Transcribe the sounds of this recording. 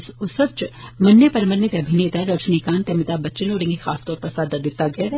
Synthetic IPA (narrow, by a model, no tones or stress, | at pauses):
sʊsəʋt͡ʃmɐnjəpɐɾməɾnɪt̪eɐbʱɪneːt̪aɾɐt͡ʃnikaːnt̪eɐmɪt̪aːbɐtːt͡ʃɪnoːɾẽŋɡixaːst̪ɔːɾpɐɾsaːd̪ɐd̪ɪt̪ːaɡɛɾ